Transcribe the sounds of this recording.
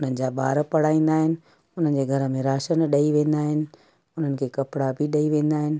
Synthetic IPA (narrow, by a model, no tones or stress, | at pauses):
ʊn̤ənɪ̆d͡ʑaːɓa̰ːɾpɐɽ̤aːĩːn̆d̪aːɦɪnɪ̆ | ʊn̤ənd͡ʑeːɡʱɐɾə̆mẽɾaːʃənɗɐiʋẽːnd̪aːɦɪnɪ̆ | ʊn̤ənɪ̆kʰeːkɐpɪɽabɪɗɐiʋẽːn̆d̪aːɦɪnɪ̆